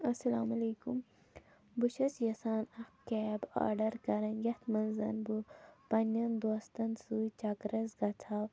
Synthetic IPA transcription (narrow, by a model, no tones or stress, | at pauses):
ɐsɐlaːmɐleːkum | buʃɐsjɐsaːnɐkkɛːba̰ːɾɖɐɾkɐɾɐnjɐt̪ʰmɐnzɐ̰nbupɐnɐnd̪oːst̪ɐnsuːt͡ʃɐkɾɐzɡɐt̪ʰaːw